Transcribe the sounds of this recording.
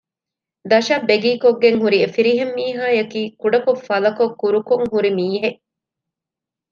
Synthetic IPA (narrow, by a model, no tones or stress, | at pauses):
d̪ɐʃɐbːeɡiːkoɡːeŋɦuɾiefiɾiɦemːiːɦaːjɐkiːkuɖɐkofɐlɐkokːuɾukoŋɦuɾimiːɦeʔ